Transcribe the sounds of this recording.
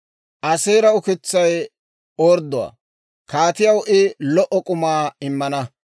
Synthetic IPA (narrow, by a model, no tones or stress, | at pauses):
ʔɐseːɾɐʊkɪt͡sːɐj | oːɾd̪ʊwa̰ː | kaːt̪ɪjɐwʔɪlɔʔɔkʼʊmaːɪmːɐnɐ